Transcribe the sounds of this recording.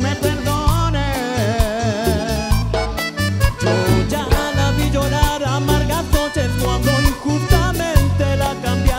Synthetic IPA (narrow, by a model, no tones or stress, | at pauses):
mepeɾd̪one | d͡ʒod͡ʒanabid͡ʒoɾaɾamaɾɣat̪ot͡ʃennũãŋɡolkuɾt̪ament̪eɾakambja